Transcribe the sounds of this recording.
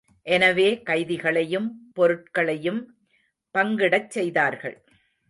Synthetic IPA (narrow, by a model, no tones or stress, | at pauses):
ʔɛnɐʋeːkɐɪðɪɣɐɭɐjɯmpɔɾɯʈ̚kɐɭɐjɯm | pɐŋɡɪɽɐt͡ʃsɛjðaːɾɣɐ̰ɭ